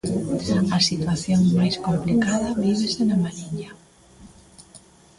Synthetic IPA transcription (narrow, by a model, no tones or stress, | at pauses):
ɐsit̪waθjoŋmajskomplikaðɐβiβ̞esenɐmaɾiɲa